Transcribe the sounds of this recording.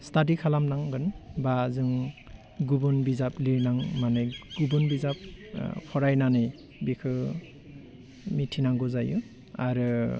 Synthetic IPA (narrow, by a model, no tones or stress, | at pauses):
stadikʰalamnaŋɡɯnbazɯŋ | ɡubunbizapliɾnaŋmanɯjɡ̥ubɔnbizap̚pʰɔɾajnanɯj | bikʰɯ | mitʰinaŋɡɔzaju | aɾɯ